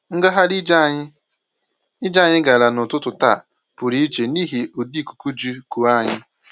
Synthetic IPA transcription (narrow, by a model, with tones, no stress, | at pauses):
ŋ̩˦ɡa˦ɦa˦li˦d͡ʒa˦˨ɲɪ˦ | i˦d͡ʒa˦˨ɲɪ˦ɡa˨la˨nʊ˨tʊ˦tʊ˨ta˦˨ | pʊ˨ɾi˦i˦t͡ʃe˨ni˦ɦi˨o˨di˦˨ku̥˨ku˦d͡ʒu˦ku˨a˦˨ɲɪ˦